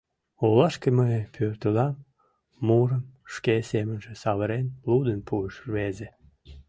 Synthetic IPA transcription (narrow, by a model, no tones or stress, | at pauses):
olɑʃkeməjpʰørt̪əlɑmː | uɾəmʃkesemənʒesɑβəɾenlud̪ənpʰuəʃrβeze